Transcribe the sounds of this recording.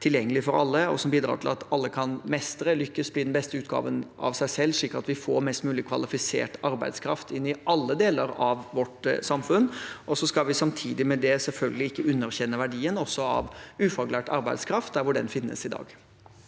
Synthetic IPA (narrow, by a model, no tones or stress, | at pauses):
t̪ʰɪljɛŋːəlɪfɔɾɑlːəɔ̰sɔmbiːd̪ɾɑ̰ːʈʰɪlɑ̰t̪ɑlːəkʰɑnmɛst̪əɾəlʏkːəsb̥lid̪ɛnbɛst̪əʉːt̪̚ɡɑ̰ːʋənʔɑ̰ʋsæɪsɛlːʂɭiːkəɑt̪ʋɪfoːɾmɛst̪mʉːlɪkʰʋɑlɪfɪsḛːʈɑɾbæ̰ɪd̪skʰɾɑft̪ɪnːɪʔɑlːəd̪eːləɾɑʋʋɔʈsɑmfʉnːʔɔsɔskɑʋɪsɑmt̪ʰiːd̪ɪmɛd̪ɛsɛlfœlɡəlɪɪkːəʉnːəɾçɛnːəʋæɖiːənɔsːɔɑ̰ʋʉːfɑɡlæːʈɑ̰ɾbæɪd̪skʰɾɑft̪̚d̪æɾʋʊɖɛ̰nfɪnːə̰sɪd̪ɑ̰ːɡ